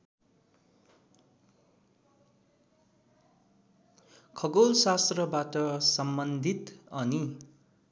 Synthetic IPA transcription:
kʰʌɡolsast̪rʌbat̪ʌsʌmbʌnd̪ʱit̪ʌni

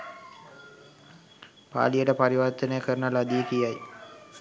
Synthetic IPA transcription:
pa̰ːlijəʈəpaɾiʋɐɾt̪ənəjəkəɾənəlad̪ijəkijaj

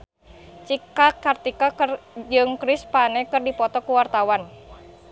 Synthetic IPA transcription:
t͡ʃikakart̪ikakrd͡ʒɨŋkɾispanɛkɨrdipɔt̪ɔkuwart̪awan

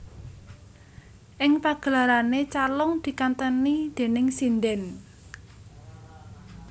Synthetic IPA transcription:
ʔɪŋpaɡ̥əlaɾanet͡ʃalʊŋd̪̥i̤kant̪ənid̪̥e̤nɪŋsind̪ɛn

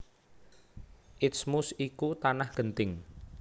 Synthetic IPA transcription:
ʔɪt̪smʊsikut̪anahɡ̥ənt̪ɪŋ

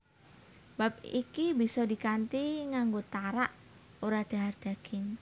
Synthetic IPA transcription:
b̥ap̚ḭkibisɔdi̤kant̪iŋaŋɡot̪aɾaʔ | oɾad̪̥a̤ɦard̪̥a̤kʰɪn

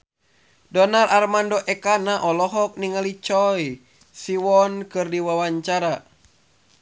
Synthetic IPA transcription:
dɔnarʔarmandɔʔɛkanaʔɔlɔɦɔk̚niŋalit͡ʃɔj | siwɔnkɨrdiwawaɲt͡ʃaɾa

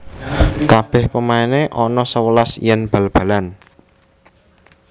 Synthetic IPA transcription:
kab̥ɛ̤hpəmaeneʔɔnɔsəwəlasḭjənb̥ä̤lb̥a̤lan

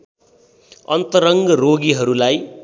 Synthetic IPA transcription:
ʌ̰nt̪ʌɾʌŋɡʌroɡiɦʌɾulaj

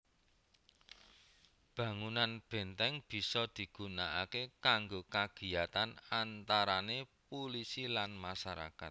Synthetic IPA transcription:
b̥ä̤ŋunanb̥ɛ̤nt̪ɛŋb̥i̤sɔd̪̥i̤ɡ̥ṳnaʔakekaŋɡokaɡ̥i̤jat̪anant̪aɾanepolisilanmasaɾa̰kat̪̚

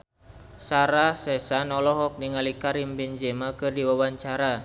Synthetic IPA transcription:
saɾasɛsanɔlɔɦɔk̚niŋalikaɾimbind͡ʒɛmakɨrdiwawaɲt͡ʃaɾa

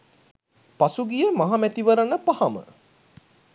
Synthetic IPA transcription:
pasuɡijemaɦamæt̪iʋəɾənəpahamə̰

